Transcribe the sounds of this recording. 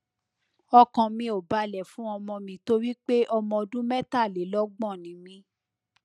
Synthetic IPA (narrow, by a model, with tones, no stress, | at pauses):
ɔ˧kɔ̃˨mĩ˧o˨ba˧˦lɛ˨fũ˨˦ɔ˧mɔ̃˧mĩ˧˨to˦ɾi˦k͡pe˦ʔɔ˧mɔ̃˧o˧dũ˦mɛ˦ta˦˨le˨˦lɔ˦ɡ͡bɔ̃˦˨nĩ˨˦mĩ˧